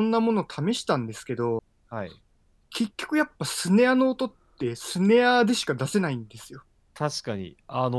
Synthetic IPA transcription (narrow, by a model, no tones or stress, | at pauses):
õnːamo̞no̞t̪ʰame̞ɕi̥t̪ãnd̪e̞sɨ̥ke̞d̪o̞ | hai | ke̞kʲːo̞kɯ̟japːasɨne̞ano̞ːt̪o̞t̪ːe̞sɨne̞ad̪e̞ɕi̥kad̪ase̞naĩnd̪e̞sɨjo̞ | t̪aɕi̥kaɲḭan